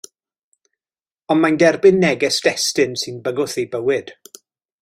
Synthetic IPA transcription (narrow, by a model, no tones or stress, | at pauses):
ɔnmajndɛrbɪnːɛɡɛsd̥ɛstɨnsɨnbəɡʊθejbəwɪd̥